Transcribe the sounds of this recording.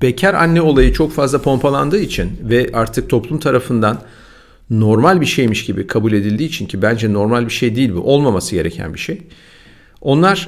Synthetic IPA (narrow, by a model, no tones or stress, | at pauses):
b̥ecʰæɾa̰nːɛo̞lˠajɯt͡ʃʰo̞kfazlˠapʰo̞mpʰalˠand̪ɯːit͡ʃʰinvɛʔaɾt̪ʰɯk̚t̪ʰo̞plˠumt̪ʰaɾafɯnd̪anː | o̞ɾmalʲbiʃejmiʃɟibḭkʰabulʲe̞d̪ilʲd̪iːt͡ʃʰincʰibænd͡ʒɛno̞ɾmalʲbiʃe̞jd̪iːlʲbṵʔo̞lˠmamasɯɟe̞ɾecʰæ̰nbiʃej | o̞nlˠaɾ̥